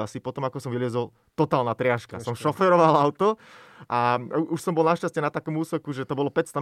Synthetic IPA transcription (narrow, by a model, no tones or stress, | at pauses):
asipɔt̪ɔmakɔsɔmʋilɪɛzɔl | t̪ɔt̪aːlnat̪ɾɪaʃka̰sɔmʃɔfɛɾɔʋalaʊt̪ɔ | ʔaʔuʃsɔmbɔlˠnaʃcast͡ɕɛnat̪akɔmuːsɛkuʒɛt̪ɔbɔlɔpɛcst̪a